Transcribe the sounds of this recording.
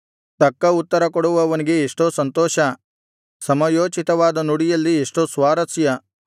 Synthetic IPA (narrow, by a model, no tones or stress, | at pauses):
t̪ɐkːɐut̪ːɐɾɐkɔɽuʋɐʋɐniɡeːʂʈosɐnt̪ɔːʃɐ | sɐmɐjoːt͡ʃit̪ɐʋaːd̪ɐnuɽijɐlːieʂʈosʋaːɾɐsjɐ